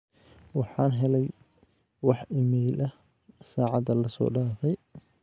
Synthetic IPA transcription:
wɑħɑːnɦɛlɛj | wɑħɪmɛjlʔɐ | saːʕɑd̪ɐlɐsɔ̰ːɖaːfɛj

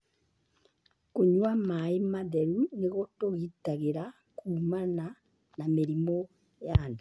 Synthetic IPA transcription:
koɲwamaimaðɛɾuneɣotoɣitaɣeɾa | kʰuːmana | nameɾimo | jandu

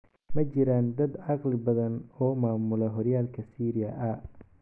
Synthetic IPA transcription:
mɐt͡ʃɪɾaːnd̪ɐd̪ʕɑqlɪbɐðɐnɔːmaːmʊlɐɦɔrjaːlkʰɐsiːɾɪjɐʔɐ

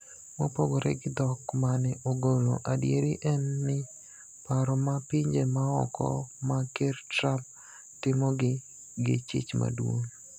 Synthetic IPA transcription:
mopoɡoɾɛ̰ɡɪd̪ɔkmanɪʔoɡolo̰ʔadjeɾiʔɛnːɪ | paɾɔmapɪɲd͡ʒemaɔ̰kɔ̰makertrap̚ | tɪmɔɡɪ | ɡɪt͡ʃɪ̰t͡ʃma̰dwo̰ŋ

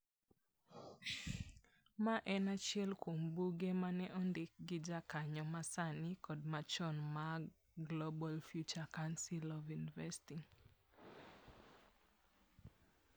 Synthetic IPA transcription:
maʔɛnat͡ʃɪɛlkwombuɡemanɛʔɔndɪk̚ɡɪd͡ʒakaɲɔmasanɪkɔd̚mat͡ʃɔnma | ɡlɔbalfjut͡ʃakansilɔvjunivɛstiŋ

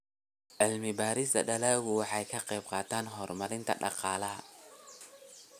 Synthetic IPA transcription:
ʕɪlmɪbaːɾɪsd̪ɐ̰ɖɐlaːɣʊwɑħɑjkʰɐqɛjb̚qɑːt̪ʰaːnɦɔrmɐɾɪnt̪ʰɐ̰ɖɑ̰qɑːlɐɦɐ

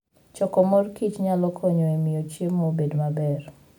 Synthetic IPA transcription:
t͡ʃɔkɔmorkit͡ʃɲalɔkʰɔɲɔemɪjot͡ʃjemːobedmabɛr

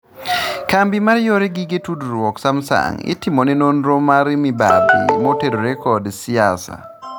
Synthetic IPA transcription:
kambimaɾjoɾeɡɪɡetudɾwɔksamsa̰ŋɪ̰tɪmɔninonɾomaɾmibadḭmoteɾoɾɛkɔdsɪasa̰

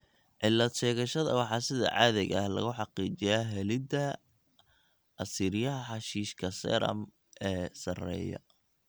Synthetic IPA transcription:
ʕɪlːɐd̪ʃɛːɣɐʃɐðɐwɑħɑːsɪðɐ̰ʕɑːðɛɣɐhlɐ̰ɣʊħɑqiːt͡ʃɪjaɦɛlɪd̪ɐ | ɐsiːɾɪjɐɦɐħɑʃiːʃkʰɐsɛ̰ɾɐ̰m | ʔɛːsɐrɛ̰ːjɔ̰

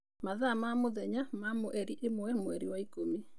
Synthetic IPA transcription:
maðaːmamoðɛɲamamoʔɛɾiʔemoɛmoɛɾiwaikomi

